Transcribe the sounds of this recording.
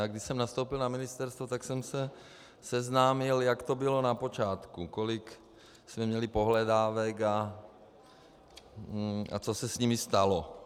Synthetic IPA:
aɡdɪʃsɛmnast̪owpɪlnamɪnɪst̪ɛɾst̪vot̪aksɛmsɛ | sɛznaːmɪljakt̪obɪlo̞napo̞t͡ʃaːt̪kukolɪk | smɛmɲɛlɪpo̞ɦlɛdaːvɛka | a̰t͡sosɛsɲimɪst̪alo

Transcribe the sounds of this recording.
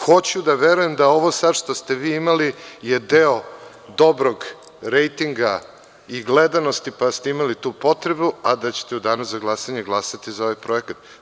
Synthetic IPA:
xo̞t͡ɕud̪aʋeɾuje̞md̪ao̞ʋo̞sad̪ʂt̪ost̪eʋiːimalijed̪eo | d̪o̞bɾo̞ɡ | ɾejt̪iŋɡa | iɡled̪ano̞st̪ipast̪eimalit̪uːpo̞t̪ɾe̞buad̪at͡ɕe̥t̪eud̪anaszaɡlˠasaɲeɡlˠasat̪izao̞ʋajpɾo̞e̞kat̪

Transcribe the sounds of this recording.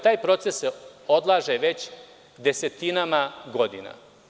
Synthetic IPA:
t̪aːjpɾo̞t̪sesseo̞d̪lˠaːʒeʋe̞t͡ɕ | d̪e̞set̪inamaɡo̞d̪ḭna̰

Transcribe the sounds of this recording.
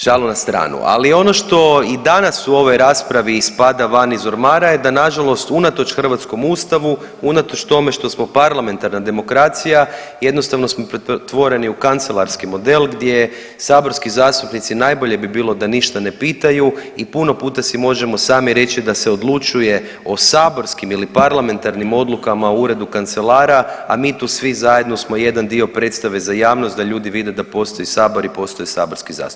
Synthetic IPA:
ʒ̥alunast̪ɾa̰ːnṵa̰lio̞no̞ʃt̪o̞id̪anasuo̞ʋo̞jɾaːspɾaʋispad̪aʋanizoɾmaːɾaje̞d̪anaʒalo̞st̪unat̪o̞t͡ʃxr̩ʋat̪sko̞muːst̪aʋu | unat̪o̞t͡ʃt̪o̞me̞ʃt̪o̞smo̞paɾlˠame̞nt̪aɾnad̪e̞mo̞kɾaːt̪sijaje̞d̪no̞st̪aʋno̞smo̞pɾet̪ʋo̞ɾe̞niukant̪selˠaɾskimo̞d̪e̞lˠɡd̪je̞ | saːbo̞ɾskizaːst̪upnit̪sinaːjbo̞ʎe̞bibiːlˠo̞d̪aniʃt̪ane̞piːt̪ajuipuno̞puːt̪asimo̞ʒe̞mo̞saːmiɾe̞t͡ʃid̪aseo̞d̪lˠut͡ʃuje̞ | o̞saːbo̞ɾskimilipaɾlame̞nt̪aɾnimo̞d̪lˠukamaouɾe̞d̪ukant̪se̞laːɾaːmiːt̪uːsʋizaje̞d̪no̞smo̞je̞d̪and̪io̞pɾe̞t̪st̪aʋe̞zajaːʋnost̪d̪aʎuːd̪iʋid̪e̞d̪apo̞st̪o̞jisaːbo̞ɾipo̞ːst̪o̞jsaːbo̞ɾskiza̰ːs

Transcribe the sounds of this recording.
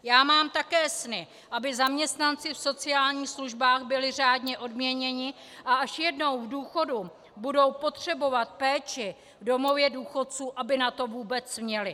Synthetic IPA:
jaːmaːmt̪akɛːsnɪ | ʔabɪzamɲɛst̪nant͡sɪfso̞t͡sɪjaːlɲiːxsluʒbaːxbɪlɪr̝aːdɲɛʔo̞dmɲɛɲɛɲɪ | ʔaʔaʃjɛdno̞wvduːxo̞du | budo̞wpo̞t̪r̝̥ɛbo̞vat̪̚pɛːt͡ʃɪ | vdo̞mo̞vjɛduːxo̞t̪̚t͡suːʔabɪnat̪o̞vuːbɛt͡smɲɛlɪ

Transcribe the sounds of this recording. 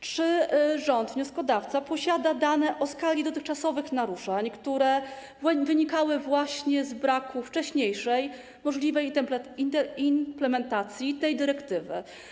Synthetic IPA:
t͡ʂɘʐɔnd̪vɲɔskɔd̪aft̪sapɔɕad̪ad̪anɛʔɔskalʲid̪ɔt̪ɘxt͡ʂasɔvɘxnaɾuʂaɲkt̪uɾɛ | vɘɲikawɘvwaɕɲɛzbɾakuft͡ʂɛɕɲejʂɛj | mɔʐlʲivɛjint̪ɛinplɛmɛnt̪at̪sʲjit̪ɛjd̪ɘɾɛkt̪ɘvɘ̰

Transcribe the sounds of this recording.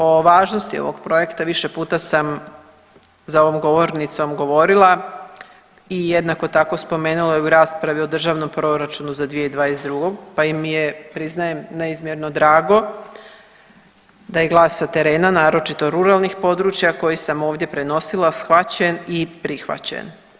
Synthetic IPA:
o̞ʋaːʒno̞st̪io̞ʋo̞ɡpɾo̞e̞kt̪aʋiʃe̞puːt̪asam | zao̞ʋo̞mɡo̞ʋo̞ɾnit̪so̞mɡo̞ʋo̞ɾilˠa | ijed̪nako̞t̪ako̞spo̞me̞ːnulajeuɾaːspɾaʋio̞d̪r̩ʒaʋno̞mpɾo̞ɾat͡ʃunuzad̪ʋijeid̪ʋaːjesd̪ɾuɡoɡpaimːije̞pɾiznaje̞mneizmʲjeɾno̞d̪ɾaːɡo̞ | d̪aje̞ɡlˠaːsːat̪e̞ɾe̞ːnanaːɾo̞t͡ʃit̪oɾuɾalˠnixpo̞d̪ɾuːt͡ʃjako̞jisamoːʋd̪je̞pɾeno̞silasxʋat͡ɕenipɾixʋa̰t͡ɕḛn

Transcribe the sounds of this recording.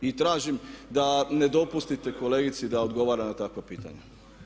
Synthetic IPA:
it̪ɾaːʒimd̪ane̞d̪o̞pust̪it̪e̞ko̞leɡit̪sid̪aod̪ɡo̞ʋaːɾanat̪akʋapiːt̪a̰ɲe

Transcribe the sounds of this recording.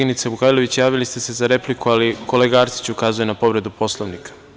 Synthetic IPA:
init̪sebukajlo̞ʋit͡ɕjaːʋilist̪e̞se̞zaɾe̞plikualikʰo̞le̞ɡaːɾt̪si̥t͡ɕukaːzujenapo̞ʋɾe̞d̪upo̞slˠo̞ʋnikʰḁ

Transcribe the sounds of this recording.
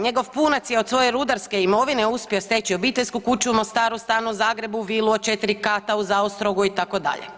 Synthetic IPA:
ɲe̞ɡo̞ʋpunat̪sjeo̞d̪sʋo̞je̞ɾud̪aɾske̞imo̞ʋineuspʲiost̪et͡ɕio̞biːt̪eʎʲskukut͡ʃumo̞st̪aːɾust̪aːnuzaːɡɾe̞buʋiːlˠuot͡ʃe̞t̪iɾikaːt̪auzaost̪ɾo̞ɡuit̪ako̞d̪a̰ʎḛ

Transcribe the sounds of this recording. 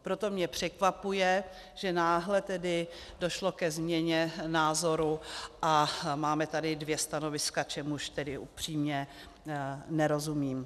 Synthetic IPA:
pɾo̞t̪o̞mɲɛpr̥ɛkvapujɛ | ʒ̥ɛnaːɦlɛt̪ɛdɪ | do̞ʃlo̞kɛzmɲɛɲɛnaːzo̞ɾuʔamaːmɛt̪adɪdvjɛst̪ano̞vɪskat͡ʃɛmuʃt̪ɛdɪʔupr̝̥iːmɲɛ | nɛɾo̞zumiːm

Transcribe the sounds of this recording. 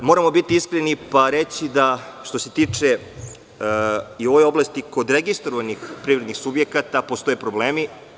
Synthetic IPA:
moɾamo̞bit̪iiskɾenipaɾet͡ɕid̪aʃt̪o̞se̞t̪it͡ʂe | io̞ʋojo̞blast̪iko̞d̪ɾeɡist̪ɾoʋanixpɾivɾed̪nixsubjekat̪apost̪o̞jepɾobleːmi

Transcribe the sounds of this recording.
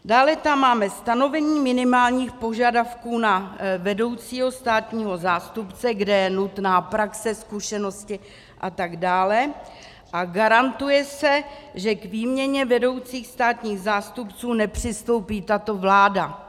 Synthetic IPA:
daːlɛt̪amːaːmɛst̪ano̞vɛɲiːmɪnɪmaːlɲiːxpo̞ʒadafkuːnavɛdo̞wt͡siːɦo̞st̪aːt̪ɲiːɦo̞zaːst̪upt͡sɛɡdɛjɛnut̪naːpɾaksɛskuʃɛno̞scɪ | ʔat̪aɡdaːlɛ | ʔaɡaɾant̪ujɛsɛʒɛkviːmɲɛɲɛvɛdo̞wt͡siːxst̪aːt̪ɲiːɣzaːst̪upt͡suːnɛpr̝̥ɪst̪o̞wpiːt̪at̪o̞vlaːda

